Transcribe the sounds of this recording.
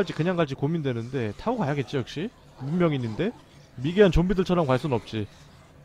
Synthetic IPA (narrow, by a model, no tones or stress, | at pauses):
aɭt͡ɕ͈ikɯɲaŋɡaɭt͡ɕ͈ikomindwe̞nɯnde̞tʰaukajaɡe̞t̚t͡ɕ͈ijʌk̚ɕ͈i | mumːjʌŋiɲːinde̞ | miɡiɦant͡ɕombidɯɭt͡ɕʰʌɾʌmkwaɭs͈unnʌp̚t͡ɕ͈i